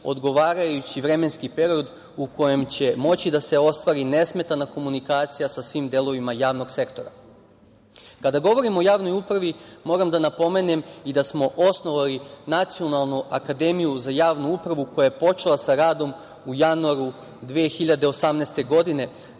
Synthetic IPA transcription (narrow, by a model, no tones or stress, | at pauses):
o̞̰d̪ɡo̞ʋaːɾajut͡ɕiʋɾe̞me̞nskipe̞ɾio̞d̪ | uko̞je̞mt͡ɕe̞mo̞t͡ɕid̪ase̞o̞st̪ʋaɾine̞sme̞t̪anako̞munikaːt̪sijasasʋiːmd̪e̞lˠo̞ʋimajaːʋno̞ɡse̞kt̪o̞ɾa | kad̪aɡo̞ʋo̞ɾimo̞jaːʋno̞jupɾaʋimo̞ːɾamd̪anapo̞me̞ne̞mid̪asmo̞ʔo̞sno̞ʋalinat̪sio̞nalˠnuakad̪e̞mijuzajaːʋnuupɾaʋuko̞jajepo̞t͡ʃelˠasaɾaːd̪o̞m | ujanuaɾu | d̪ʋeexiʎad̪e̞osamneːst̪e̞ɡo̞d̪ine̞